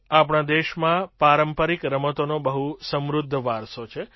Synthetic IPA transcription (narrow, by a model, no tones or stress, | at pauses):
apɳad̪eʃmãpaɾəmpəɾikɾəmət̪onobəɦusəmɾud̪ʱːəʋaɾsot͡ʃʰe